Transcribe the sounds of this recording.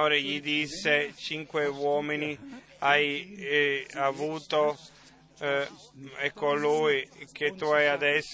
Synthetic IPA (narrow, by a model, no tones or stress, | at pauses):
oːɾeʎid̪isːet͡ʃiŋkwewɔːmini | aj | avuːt̪o | ɛkːoluːik̟et̪ːuajad̪ɛsː